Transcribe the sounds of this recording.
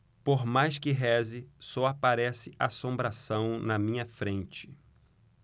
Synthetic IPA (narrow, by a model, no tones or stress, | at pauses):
poɾmajskɪɦɛzɪsɔapaɾɛsɪʔa̰ːsõmbɾasɐ̃w̃nɐmĩɲɐfɾẽnt͡ʃɪ̥